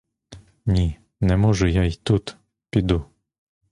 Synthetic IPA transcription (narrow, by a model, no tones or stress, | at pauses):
nʲi | nɛmɔʒʊjait̪ut̪ | pʲid̪u